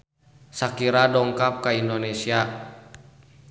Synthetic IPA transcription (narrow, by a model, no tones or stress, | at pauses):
sakiɾadɔŋkap̚kaindonesia